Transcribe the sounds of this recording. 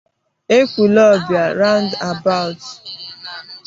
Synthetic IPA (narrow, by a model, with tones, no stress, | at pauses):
e˦kʷu˨lɔ˦bja˨ɾa˦ʊ̃˦nda˨ba˦ʊ˨t